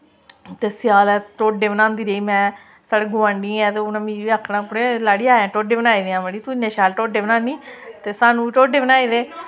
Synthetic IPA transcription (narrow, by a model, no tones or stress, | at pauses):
t̪eːsɪjaːlɛʈoːɖeːbənãːnd̪iːɾeiːmɛ̃ː | saːɽeːɡʊʋãːɳɖiːɛːt̪eːonãːmiːiaːkʰːnãːpʊɽeːlaːɽiːaːãːʈoːɖeːbənaːiːd̪eãːbəɽiːt̪ʊnãːʃaːlʈoːɖeːbnãːniːt̪eːsaːnũːiʈoːɖeːbənaːiːd̪eː